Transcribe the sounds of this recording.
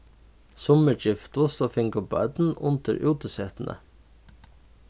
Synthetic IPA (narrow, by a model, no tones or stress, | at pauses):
sʊməd͡ʒɪft̪ʊsoːfɪŋkəbɑ̰ːd̪n̩ʊ̰nt̪ə̰ɾʔʉːt̪əsɛːt̪n̩ʔə̰